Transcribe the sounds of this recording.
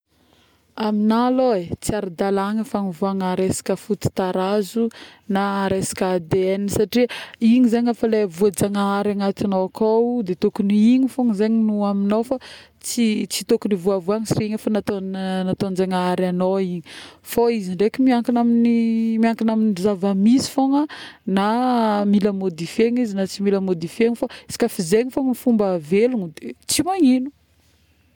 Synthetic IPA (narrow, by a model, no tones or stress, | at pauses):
aminaloet͡siaɾid̪alaŋəfaŋivuaŋaɾesḁkəfut̪i̥t̪aɾazunaɾesḁkad̪eenisaʈ͡ʂiiɲizeɲafalevuad͡zaŋaaɾaŋat̪anoakawd̪et̪ukuniiɲifuŋizeɲinuaminofa | t͡sit͡si̥t̪okunivuavuaŋisireiɲafanat̪onat̪ond͡ʒaŋaaɾanoiɲifoiziɳɖ͡ʐekʲmiaŋkinaminimiaŋkinaminizavamizi̥foŋənamiləmod̪ifeɲizinat͡similəmod̪ifeɲifasi̥kʲafizeɲifoŋnifumbaveluŋid̪et͡simaɲinu̥